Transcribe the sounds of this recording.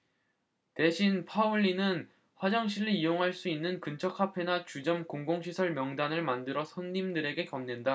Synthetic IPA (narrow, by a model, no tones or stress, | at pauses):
te̞ɕʰinpʰauɭːinɯn | ɸwad͡ʑaŋɕʰiʎːiijoŋɦaɭs͈uinːɯnkɯnt͡ɕʰʌk̚ʰapʰe̞nat͡ɕud͡ʑʌmkoŋɡoŋɕʰisʰʌɭmjʌŋdanɯɭmandɯɾʌsʰʌnːimdɯɾe̞ɡe̞kʌmnenda